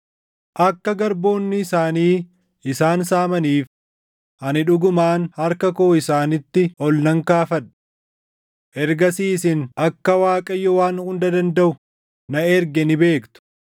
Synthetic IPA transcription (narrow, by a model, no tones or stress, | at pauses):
ʔɐkːɐɡɐɾbo̞ːnːɪɪsaːniː | ɪsaːnsaːmɐniːf | ʔɐnɪᶑʊɡʊmaːnhɐɾkɐkoːɪsaːnɪt̪ːɪɔlnɐŋkaːfɐᶑ | ʔɛɾɡɐsiːsɪnɐkːɐwaːkʼɐjːɔwaːnhʊnd̪ɐd̪ɐnd̪ɐʔʊ | nɐɛɾɡɛnɪbe̞ːkt̪ʊ̥